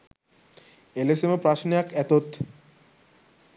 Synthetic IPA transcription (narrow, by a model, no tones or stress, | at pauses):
elesemopɾaʃniakɛt̪ot̪